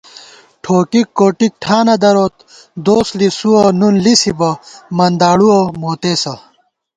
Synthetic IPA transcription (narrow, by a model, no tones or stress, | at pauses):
ʈʰoːkikːoːʈik̚ʈʰaːnɐd̪ɐɾoːt̪ | d̪oːslisuɐnunlisibɐmɐnd̪aːɽuɐmoːt̪eːsɐ